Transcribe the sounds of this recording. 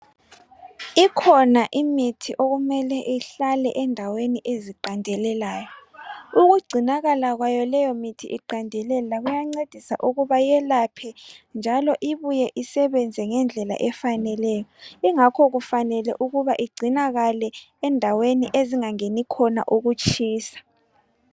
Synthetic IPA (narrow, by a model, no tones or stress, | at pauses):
ikʰɔnaʔimitʰiʔoɣumɛlɛʔiɬalɛ̰ʔɛndʱaweniʔeziǃandʱɛlɛlaːjɔuɣuɡ͡ǀʱinaɣalaɣwajɔlɛjɔmitʰḭʔiǃandʱɛlɛlaɣujaŋ͡ǀed̥ʱisa̰ʔuɣuβajɛlapʰɛnd͡ʒʱalɔʔiβujɛʔisɛβɛnd͡zʱɛŋɛnd͡ɮʱɛla̰ʔɛfanɛlɛjɔiŋakʰɔɣufanɛlɛ̰ʔuɣuβaʔiɡ͡ǀʱinaɣalɛ | ɛndʱaweniʔeziŋaŋenikʰɔna̰ʔuɣut͡ʃʰʼiːsḁ